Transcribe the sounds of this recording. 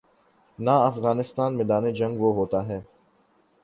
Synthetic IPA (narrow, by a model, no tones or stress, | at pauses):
naɐfɣaːnɪst̪aːnmẽd̪aːned͡ʒɐ̃ŋɡʋoɦoːt̪aɦɛː